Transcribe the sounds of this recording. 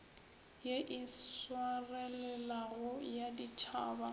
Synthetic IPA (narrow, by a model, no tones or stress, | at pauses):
jeʔiswarɛlɛlaɣɔjadit͡ʃʰaːba